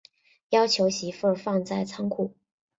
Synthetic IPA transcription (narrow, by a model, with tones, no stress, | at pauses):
jɑ˥ʊt͡ɕʰjo˧˥ʊɕi˧˥fə˥˧fɑ˥˧ŋt͡sa˥˩ɪt͡sʰɑ˥ŋkʰu˥˩